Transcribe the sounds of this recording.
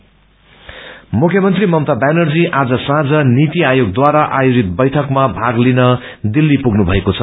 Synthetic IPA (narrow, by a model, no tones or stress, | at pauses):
mukʰjʌmʌnt̪rimʌmt̪abanʌrd͡ziʔad͡zʌsãd͡zʌnit̪iajoɡ̚d̪waɾaʔajod͡zit̪̚bʌjʈʰʌkmabʱaɡlinʌ | d̪ilːipuɡnubʱʌekot͡sʰʌ